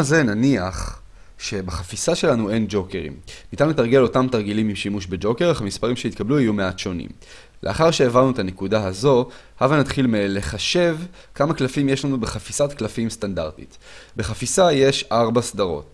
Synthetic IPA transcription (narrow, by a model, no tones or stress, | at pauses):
aze̞naniaχ | ʃe̞baχafisaʃe̞lanue̞nd͡ʒo̞ke̞ʁḭmnit̪anuletaʁɡe̞lo̞tamtaʁɡilimimʃimuʃbe̞d͡ʒo̞ke̞ʁaχamispaʁimʃeit̪kabluijume̞atʃo̞nḭm | lʔe̞a̰χaʁʃeːvaʁnuetane̞kudaɦazo̞ | havanat̪χilmele̞χaʃe̞v | kamaklafimjeʃlanube̞χafisatklafimstandaʁtḭt | be̞χafisaje̞ʃaʁbasdaʁo̞̰t